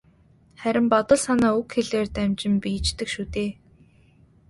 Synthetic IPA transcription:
χæɾʲɪ̆mpɔt̪ɞ̆ɮsanaːɵkxeɮeːrt̪æmt͡ɕɪ̆mpiːt͡ɕt̪ɘ̆kʃut̪eː

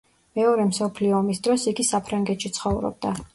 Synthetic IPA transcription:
mɛɔɾɛmsɔpʰliɔːmisd̪ɾɔsiɡisapʰɾaŋɡɛt̪ʃit̪sʰχɔvɾɔ̰b̚d̪a

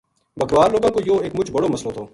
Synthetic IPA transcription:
bəkɾʋaːɾloːɡãːkoːjoːeːkmʊt͡ʃbəɽoːməsloːt̪ʰoː

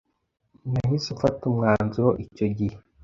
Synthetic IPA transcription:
naɦisufatumŋaːnzoʔico̞ɟihe

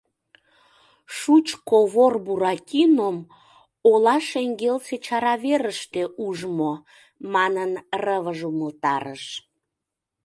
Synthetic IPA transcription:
ʃut͡ɕkoβorbuɾɑkʲinom | olɑʃeŋɡelset͡ɕɑɾɑβeɾəʃt̪eʔuʒmo | mɑnənrəβəʒuməlt̪ɑɾəʃ

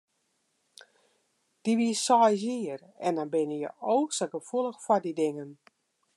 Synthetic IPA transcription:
d̥iʋiəsɔjziər | ɛndɔnbɪnəjə̰ʔoːksəɡəfulˠəxfɔdidɪŋən

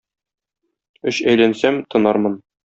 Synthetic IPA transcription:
ɵɕæjlænsæmt̪ɤ̆nɑɾmɤn

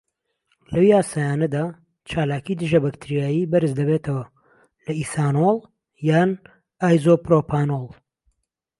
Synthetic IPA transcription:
lɐwijaːsaːjaːnɐd̪aː | t͡ʃʰaːlaːkid̪ɨʒɐbɐkt̪ʰɨɾijaːjibɐɾɨzd̪ɐβet̪ʰɐwɐ | lɐisaːnolˠ | jaːn | aːjzopɾopʰaːnolˠ

